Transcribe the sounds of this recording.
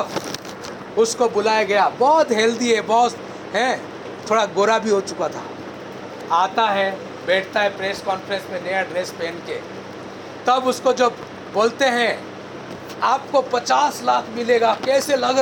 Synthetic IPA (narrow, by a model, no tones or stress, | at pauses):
ʊskobʊlaːjaɡɐjabɔːt̪ɦɛːld̪iɦɛ̃bɔːt̪ | ɦɛ̃ | t̪ʰoːɽaɡoːɾabʱiɦot͡ʃʊkat̪ʰa̰ː | aːt̪aɦɛ | bɛːʈʰt̪aɦɛpɾeːskɔːnfɾə̃nsmẽnejaɖɾeːspeːnke | t̪ɐbʊskod͡ʒɐbː | oːlt̪eɦɛ̃ | aːpkopɐt͡ʃaːslaːkʰmɪleːɡakɛːselɐɡ